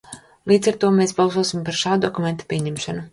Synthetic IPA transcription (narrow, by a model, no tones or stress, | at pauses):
lˠiːd̪zaɾt̪uɔmeːsbɑlˠsuɔsimpaɾʃaːd̪d̪ɔkument̪ḁpʲiɛɲɛmʃanu